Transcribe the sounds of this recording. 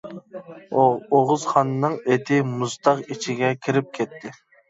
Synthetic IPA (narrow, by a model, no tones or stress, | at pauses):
oʁʊzχɑnnɨŋet̪ʰɪmuzt̪ʰɑqit͡ʃʰiɡʲɛkʲʰiɾɪp̚kʲʰɛt̪ʰːɪ